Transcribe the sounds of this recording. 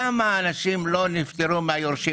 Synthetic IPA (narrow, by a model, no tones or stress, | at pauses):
amaːnaʃimlo̞nift̪eɾumeajoɾʃi